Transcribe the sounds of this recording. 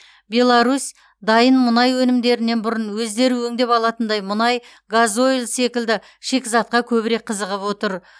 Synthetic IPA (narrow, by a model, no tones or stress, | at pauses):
bʲe̞lˠaɾus | d̪ɑjənmʊnɑjwɵnɪmd̪e̞ɾɪnːe̞nbʊɾənwɵzd̪e̞ɾuɵŋd̪e̞pɑlˠɑt̪ənd̪ɑjmʊnɑj | ɡazo̞jlse̞kʲɪld̪ɪ | ʃe̞kʲzɑt̪̚qɑkʲʰɵbɪɾe̞k̚qʰəzəʁəpwo̞t̪əɾ